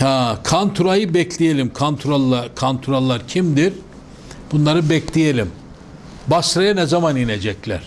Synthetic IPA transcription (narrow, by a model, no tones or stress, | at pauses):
hakʰant̪ʰuɾajɯbɛcʰlʲijelʲimkʰant̪ʰuɾalˠːakʰant̪ʰuɾalˠːaɾcʰimd̪iɾ | b̥unlˠaɾɯbɛclʲijelʲim | basɾajanɛzamanined͡ʒɛclʲæ̰ɾ̥